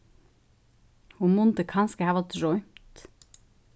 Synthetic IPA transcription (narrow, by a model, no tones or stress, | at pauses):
humʊnt̪əkʰɑnskəhɑːʋɑt̪ɾɔʏmt̪